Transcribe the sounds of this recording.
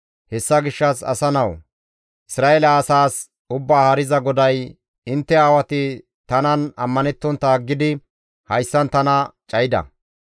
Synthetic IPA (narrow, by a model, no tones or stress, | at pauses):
hɛsːɐɡɪʃːɐsɐ̰sɐnɐw | ʔɪsɾaːelɐːsaːs | ʊbːaːhɐɾɪzɐɡɔd̪ɐj | ɪnt̪ːɛaːwɐt̪ɪ | t̪ɐnɐnɐmːɐnɛt̪ːɔnt̪ːɐɡːɪd̪ɪ | hɐjsːɐnt̪ɐnɐt͡ʃʼɐjɪd̪ɐ̰